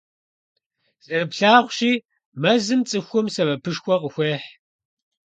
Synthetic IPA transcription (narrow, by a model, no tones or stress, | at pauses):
zʼɨrɨpɬaːʁʷʃiː | mɐzɨmt͡sʼɨxʷʊmsɐvɐpʰɨʂxʷɔqəxʷeːħ